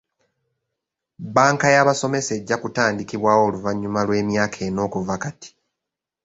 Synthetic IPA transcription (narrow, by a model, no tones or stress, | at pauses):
baːŋkajaβaso̞me̞se̞ɟːakutaːndikiβwaːwoːluvaɲːumalwe̞ːmjaːkʰe̞ːno̞ːkuvakati̥